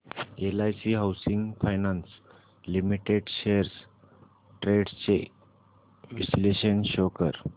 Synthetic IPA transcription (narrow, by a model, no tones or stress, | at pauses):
elajsiɦawsiŋɡfajnãns | limiʈeɖɕeəɾs | ʈɾeɖt͡ɕḛ | ʋisleɕənɕokəɾ